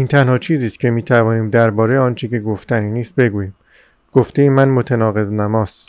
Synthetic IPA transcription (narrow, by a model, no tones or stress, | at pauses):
iːnt̪ʰænhɒːt͡ʃʰiːziːst̪̚cʰe̞miːt̪ʰævɒːniːmd̪æɾbɒːɾejɒːnt͡ʃʰece̞ɡoft̪æniniːst̪̚be̞ɡuːjiːm | ɡ̥oft̪ejimænmot̪ʰænɒːɣe̞znæmɒːst̪